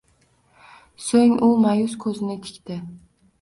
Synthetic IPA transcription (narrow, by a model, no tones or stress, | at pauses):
soŋʊmajʊskʰɵzɪnɪt̪ʰɪ̥kʲt̪ɪ